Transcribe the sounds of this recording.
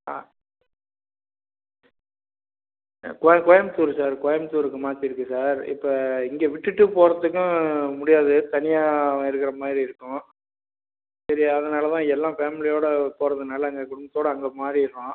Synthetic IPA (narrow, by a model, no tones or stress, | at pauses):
aː | kɔjkɔjɐmt̪uːɾsaːɾkɔjɐmt̪uːɾɯkːɯmaːt̪ːiɪɾɯkːɯsaːɾɪ̰pːɐɪŋɡeːʋɪʈːɯʈːɯpoːɾɐt̪ːɯkːʊ̃mʊɽɪjaːðɯt̪ɐnɪjaːɪɾɯkːɪɾɐmaːd̪ɾiɪɾɯkːʊ̃ | sɐɾɪɐðɐnaːlɐt̪ãːɛlːãːfeːmɪlɪjoːɽɐpoːɾɐðɯnaːlɐɐŋɡekʊɽɯmbɐt̪ːoːɽɐɐŋɡɐmaːd̪ɾiɪɾkːõː